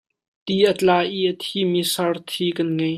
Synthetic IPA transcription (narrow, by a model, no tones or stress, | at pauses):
t̪iʔət͡ɬaːʔiʔət̪ʰimisɐrt̪ʰikɐnŋɐj